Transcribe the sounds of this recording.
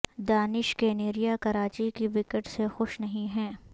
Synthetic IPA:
d̪aːnɪʃkeːneːɾijakɐɾaːt͡ʃikiʋɪkəʈsexʊʃnɐɦĩɦɛ̃ː

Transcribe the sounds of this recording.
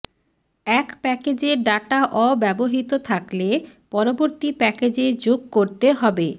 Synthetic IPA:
ɛkpɛked͡ʑeɖaʈaʔɔbɛboɦit̪ot̪ʰaklepɔɾoboɾt̪ipɛked͡ʑed͡ʑoɡ̚koɾt̪eɦɔbe

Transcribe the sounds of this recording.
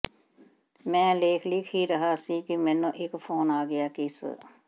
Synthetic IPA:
mɛ̃ːleːkʰliːkʰiːɾəɦaːsiːkɪmɛ̃ːnõːʔɪkpʰoːnaːɡɪjaːkɪs

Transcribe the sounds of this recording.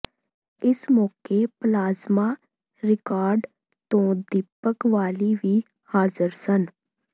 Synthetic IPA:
ɪsmɔːkeplaːzmaː | ɾɪkaːɾɖ | t̪õːd̪ɪpːəkʋaːliʋiː | haːzəɾsən

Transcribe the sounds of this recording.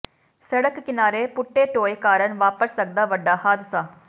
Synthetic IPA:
sɐɽɐkːkːɪnaːɾeːpʊʈːeːʈoːjkaːɾɐnʋaːpəɾsɐɡ̚d̪aːʋɐɖːaːɦaːd̪ɪsaː

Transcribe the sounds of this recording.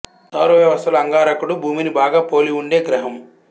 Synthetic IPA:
t̪ɐːɾuʋjɐʋɐst̪ɐlɐŋɡaːɾɐkuɽubʱuːminibaːɡaːpo̞ːliuɳɖe̞ːɡɾɐɦɐm

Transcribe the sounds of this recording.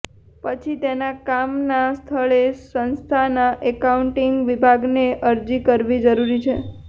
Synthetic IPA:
pət͡ʃʰit̪enakamnast̪ʰəɭesənst̪ʰanaʔɛkauɳʈiŋɡʋibʱaɡneʔəɾd͡ʒikəɾʋid͡ʒəɾuɾit͡ʃʰe

